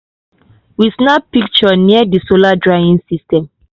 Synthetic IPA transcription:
wisnapik̚t͡ʃɔniadisoladɹaĩnsistɛ̃m

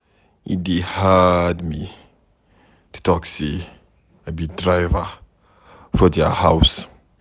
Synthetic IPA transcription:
ḭd̪ehad̪mi | t̪ʰu̥t̪ɔkse | əbidɹajvə | fɔd̪ɛhaws

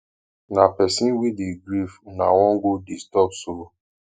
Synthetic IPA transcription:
napɛsĩnwidiɡɾifnawɔ̃ŋɡodistɔpso

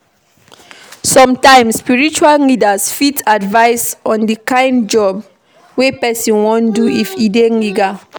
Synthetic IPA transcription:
sɔ̃mtãɪ̃msːpiɹit͡ʃuallidasfitadvaɪsɔ̃ndikãɪ̃nd͡ʒɔb | wepɛsɔ̃nwɔ̃nduifideliɡa

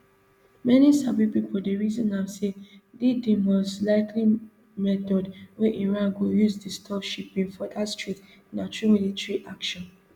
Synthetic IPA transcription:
mɛnisabipipoldeɹizɔ̃nasedidimɔslaɪkli | mɛtɔdwɛʔĩnɹãnɡojuzdistʰɔfʃipĩŋfɔdastɹit | natʰɹumilitɛɹiʔakʃɔ̃n

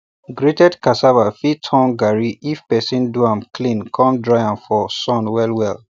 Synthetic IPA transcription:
ɡɹetɛdkasavafitʰɔ̃nɡaɹiifpɛsĩnduãmkʰlĩnkʰɔ̃mdɹajãnfɔsɔ̃nwɛlwɛl

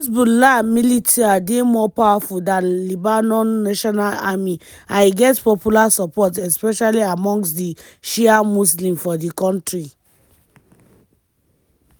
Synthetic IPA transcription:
sbulamilitʰiademɔpawafuldãnlibanɔ̃nːaʃɔnalami | aɪɡɛtpɔpjulasɔpɔtɛspɛʃaliamɔ̃ŋksdi | ʃiamuslĩmfɔdikɔ̃ntɹi

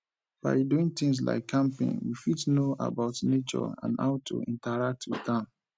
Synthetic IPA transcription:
b̥a̰ɪduĩŋt̪ɪ̃ŋs̬la̰ɪkʰːãmpḛ̃nwifitnoʔa̰baʊtnet͡ʃɔ̰ã̰nha̰ʊtʰṵḭ̃ntaɹak̚tʰwɪ̰ðãm

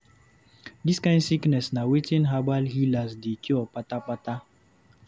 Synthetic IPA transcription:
diskãɪ̃ndsiknɛsnawetĩnɦabalɦilasdekiɔpatapata

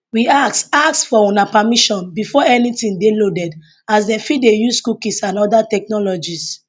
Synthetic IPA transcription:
wiaksaksfɔɔ̃napamiʃɔ̃nbifɔɛnitĩndelodɛd | asdɛ̃mfidejusskukisãnɔdatɛk̚nɔlɔd͡ʒis

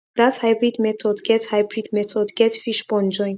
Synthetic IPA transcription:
d̪athajbɹidmɛt̪ʰɔdɡɛthajbɹidmɛt̪ʰɔdɡɛtfiʃbɔ̃nd͡ʒɔ̃j̃n

